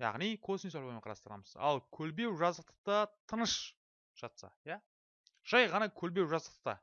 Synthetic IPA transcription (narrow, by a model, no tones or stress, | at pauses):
jɑ̰ʁnijkʰosnisolbemeɴqʰɑɾɑst̪əɾɑ̰məz̥ɑ̰lˠkʲʰɵlbe̞wʒɑzd̪əq̚t̪ə̥q̚t̪ɑt̪ʰənəʃ | ʒ̥ɑt̪sɑ̰jæ | ʒ̥ɑjʁɑnɑkʲʰɵlbe̞wʒɑzəqt̪ə̥q̚t̪ɑ̰